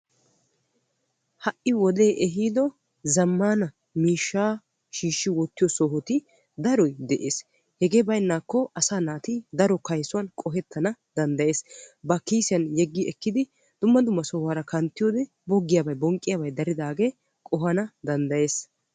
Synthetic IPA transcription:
hɐʔɪwɔd̪e̞ːʔɛɦiːd̪ɔ | zɐmːaːnɐ | miːʃːaː | ʃiːʃːɪwɔt̪ːɪjɔsɔːɦɔt̪ɪ | d̪ɐɾɔjd̪ɛʔeːs | hɛɡeːbɐjnːaːkːɔʔɐsaːnaːt̪id̪ɐɾɔkɐjsʊwɐnkʼɔɦɛt̪ːɐnɐd̪ɐnd̪ɐje̞ːsbɐkiːsɪjɐnjɛɡːɪɛkːɪd̪ɪ | d̪̥ʊmːɐd̪ʊmːɐsɔːhaːɾɐkʰɐnt̪ːɪjoːd̪ɛ | bɔɡːɪjabɐjbɔŋkʼːɪjaːbɐjd̪ɐɾɪd̪aːɡe̞ | kʼɔɦɐnɐd̪ɐnd̪ɐje̞ːs

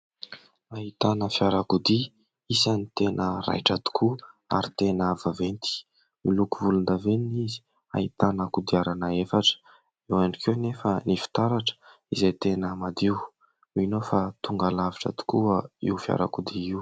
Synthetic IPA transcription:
aɦit̪anəfjaɾakud̪i | isanit̪enəra̰jʈ͡ʂat̪u̥kʰua̰ɾit̪enːvavent̪i̥ | milukuvulund̪aveniizi̥ | a̰it̪anakud̪iaɾanəefaʈ͡ʂə̥ | ewaɳikewnefənifi̥t̪aɾaʈ͡ʂə̥ | izejt̪enəmad̪iw | minofat̪uŋɡalaviʈ͡ʂə̰t̪u̥kuəiwfja̰ɾa̰kud̪iiw

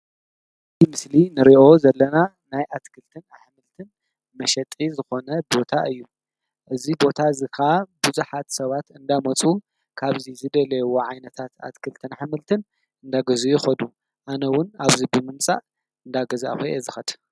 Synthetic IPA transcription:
t̪ʰimɨslinɨɾiʔo̞zɐlːɐna | najʔat̪kʰɨlt̪ʰɨnaħmɨlt̪ʰɨn | mɐʃɐt̪ʼizɨxo̞nɐbo̞t̪ʰaʔɨjːu | ʔɨzibo̞t̪ʰazɨkʰaabɨzuħat̪sɐβat̪ɨnd̪amɐt͡sʼu | kʰaβzizɨd̪ɐlɐjwoʕajnɐt̪ʰat̪a̰t̪kʰɨlt̪ʰɨnaħmɨlt̪ʰɨn | ɨnd̪aɡɐzujɪxɐd̪u | ʔanɐwʊnaβzibɨmɨmt͡sʼa̰ʔ | ɨnd̪aɡɐza̰xeʔezɨxɐd̪

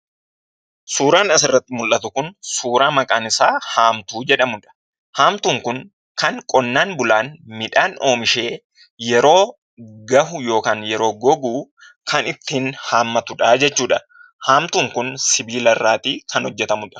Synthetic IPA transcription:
suːɾaːnɐsɪrːɐt̪ːɪmʊlʔːɐt̪ʊkʊnsuːɾaːmɐkʼaːnɪsaːhaːmt̪uːd͡ʒɛᶑɐmʊᶑɐ̥ | haːmt̪uːŋkʊŋ | kɐŋkʼɔnːaːnbʊlaːnmɪᶑaːno̞ːmɪʃe̞ː | jɛɾo̞ː | ɡɐhʊjo̞ːkaːnjɛɾo̞ːɡɔɡuː | kɐnɪt̪ːiːnhaːmːɐt̪ʊᶑaːd͡ʒɛt͡ʃːuːᶑɐ | haːmt̪uːŋkʊnsɪbiːlɐrːaːt̪iːkʰɐnhɔd͡ʒːɛt̪ɐmʊᶑɐ̥

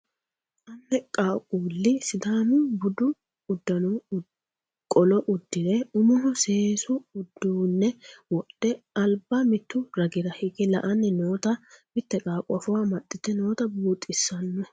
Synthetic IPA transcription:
ʔɐmːɛkʼaːkʼuːlːɪsɪd̪aːmɪbʊd̪ʊ | ʊd̪ːɐnʊ | kʼɔlɔʔʊd̪ːɪd̪ɛʊmɔɦʊseːsʊʊd̪ːuːnːɛwɔɗːɛ | ɐlbɐmɪt̪ːʊɾɐɡɪɾɐhɪɡɛlɐʔɐnːɛnoːt̪ɐmɪt̪ːɛkʼaːkʼʊɐfʊwaːmɐt̪ʼːɪt̪ːɛno̞ːt̪ɐbuːt̪ʼːɪsːɐnːɔ

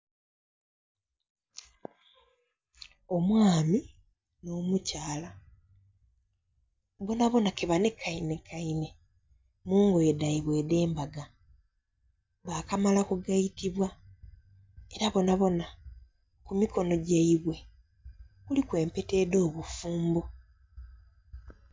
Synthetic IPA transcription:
o̞mwaːmi | no̞ːmucaːla | βo̞naβo̞nakeβane̞kʰːaine̞kʰaine̞ | muːŋɡo̞edaiβwe̞ːde̞ːmbaɡa | βakamalakuɡaitiβwa | e̞ɾaβo̞naβo̞na | kumiko̞no̞ɟeiβwe̞ | kulikwe̞ːmpe̞te̞ːdo̞ːβufuːmbo

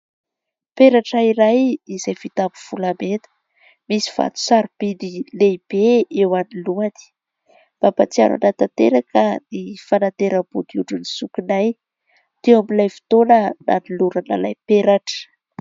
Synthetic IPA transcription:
peɾaʈ͡ʂaiɾajizajfit̪ampuv̥ulamet̪ə̥ | misi̥v̥a̰t̪u̥saɾpid̪ileib̥eewaniluani̥ | b̥abat͡sia̰ɾa̰nat̪at̪eɾakənifanat̪eɾəb̥ud̪iuʈ͡ʂunisukinaj | d̪̥ewamilajfi̥t̪onəna̰niluɾanə̰lajpeɾaʈ͡ʂə̥

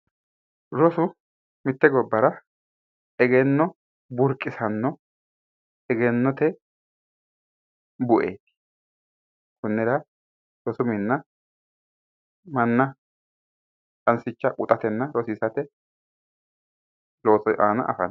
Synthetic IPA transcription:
ɾɔsʊ | mɪt̪ːɛɡɔbːɐɾɐ | ɛɡɛnːɔ | bʊɾkʼːɪsɐnːɔ | ɛɡɛnːɔt̪ɛ | bʊʔḛːt̪ | kʊnːɛɾɐ | ɾɔsʊmɪnːɐ | mɐnːɐ | tʼɐnsɪt͡ʃːɐkʼʊt̪ʼɐt̪ɛnːɐɾɔsɪsɐt̪ɛ | loːsaːnɐ̰ʔɐ̰fɐ̰n

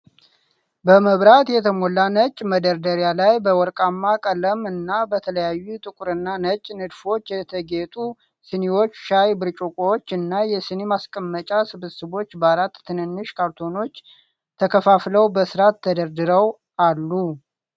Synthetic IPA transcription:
bəməβɾat̪jɛt̪ʰəmolːanət͡ʃʼməd̪əɾd̪əɾjalajbəwɔɾkʼamːakʼələmɨnːabət̪ʰələjajːut̪ʼɨkʼuɾɨnːanət͡ʃʼːnɨd̪fo̞t͡ʃːjɛt̪ʰəɡet̪ʼu | sɨnewo̞t͡ʃːʃajbɨɾt͡ʃʼukʼot͡ʃːɨnːajɛsɨnemaskʼəmːət͡ʃʼasɨβɨsɨβo̞t͡ʃːbalat̪ʰːɨnɨnːɨʃkʰaɾt̪ʰo̞no̞t͡ʃː | t̪ʰəkʰəfafləwbəsɨɾat̪ʰːəd̪əɾd̪ɨɾəw | alːu

